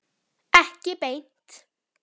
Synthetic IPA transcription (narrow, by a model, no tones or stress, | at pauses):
ɛhcɪpejn̥t̪